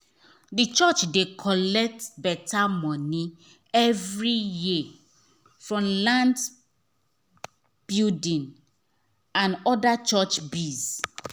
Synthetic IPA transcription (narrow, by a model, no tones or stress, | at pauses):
dit͡ʃɔt͡ʃdekʰɔlɛk̚tbɛtamɔ̃ni | ɛvɹiji | fɹɔ̃mlãnd | b̥iudĩn | ãnɔdat͡ʃɔt͡ʃbiz